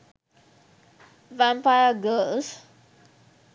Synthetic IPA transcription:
vɛ̃mpajəɡəls

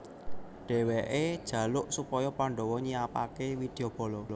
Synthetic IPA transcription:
ɖ̥ɛ̤weʔed̥ʒ̥ä̤lʊʔsupɔjɔpaɳɖɔwɔɲiapakewid̪̥e̤ob̥ɔ̤lɔlɔ

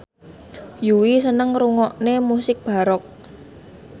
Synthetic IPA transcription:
juwisənəŋɾuŋɔʔnemusɪk̚b̥a̤ɾɔk̚

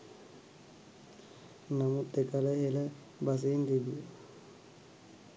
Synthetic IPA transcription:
namut̪ːekaləɦelə | bas̬eind̪ebije

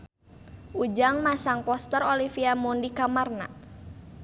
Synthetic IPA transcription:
ʔud͡ʒaŋmasaŋpɔst̪ərolifiamundikamarna̰

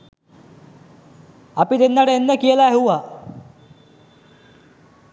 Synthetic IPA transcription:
ɐpid̪enːaʈəenːəkijəlaɦeuʋa

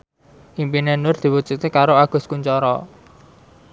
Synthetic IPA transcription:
ʔimpinenʊrd̪̥i̤wud̥ʒ̥ut̪ekaɾoaɡ̥ʊ̤skuɲt͡ʃɔɾɔ̰

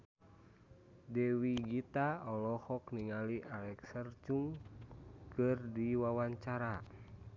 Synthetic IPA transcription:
dɛwiɡit̪aɔlɔhɔkniŋaliʔalɛksərt͡ʃuŋ | kɨrdiwawaɲt͡ʃaɾa

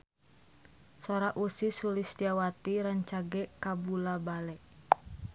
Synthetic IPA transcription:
soɾaʔusisulisd͡ʒawat̪iɾaɲt͡ʃaɡɛkabulabalɛʔ

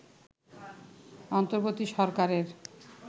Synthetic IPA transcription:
ɔnt̪oɾbot̪iʃɔɾkaɾeɾ

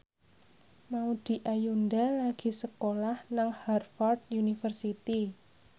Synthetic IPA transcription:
maud̪̥i̤ʔajundalaɡ̥i̤səkolahnaŋharfɔrd̪junifərsit̪i

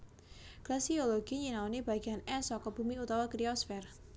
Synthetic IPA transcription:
klasioloɡ̥iɲinaonib̥aɡ̥ianɛsɔkɔb̥umiut̪awakɾiɔsfɛr

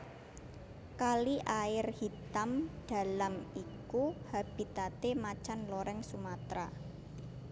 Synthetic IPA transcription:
kaliʔaɪrhit̪amd̥a̤lamikuhab̥i̤t̪at̪emat͡ʃanloɾɛŋsumat̪ɾa̰

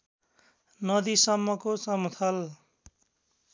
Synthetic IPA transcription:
nʌd̪isʌmːʌkosʌmut̪ʰʌl

